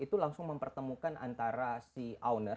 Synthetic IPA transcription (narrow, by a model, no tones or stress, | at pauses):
it̪ulaŋsʊŋməmpərt̪əmukanʔa̰nt̪aɾasiawnər